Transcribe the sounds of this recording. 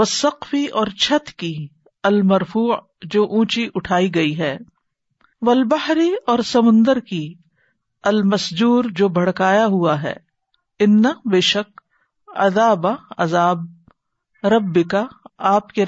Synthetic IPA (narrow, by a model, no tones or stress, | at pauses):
ʋɐsɐqfiɔːɾt͡ʃʰɐt̪ki | ɐlmɐɾfuː | d͡ʒoːʔũːt͡ʃiʔʊʈʰaːiɡɐiɦɛː | ʋɐlbɐɦɾiɔːɾsɐmʊ̃nd̪əɾki | ɐlmɐsd͡ʒuːɾd͡ʒoːbʱɐɽkaːjaɦuaɦɛ̰ː | ɪnːɐbeːʃək̚ | ɐ̰d̪aːbaɐzaːb̚ | ɾɐbːɪkaaːpke